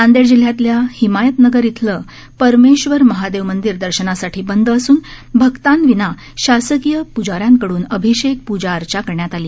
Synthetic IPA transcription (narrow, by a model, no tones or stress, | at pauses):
and̪eɾd͡ʑil̤jat̪ljahimajət̪nəɡəɾjit̪ʰləː | pəɾmeɕʋəɾməɦad̪eʋmənd̪iɾd̪əɾɕənasaʈʰiːbənd̪əsuːn | bʱəɡt̪anʋina | ɕasəkijəpud͡zaɾjaŋkəɽuːnəbʱiɕek̚pud͡ʑaəɾt͡ɕakəɾɳjat̪aliː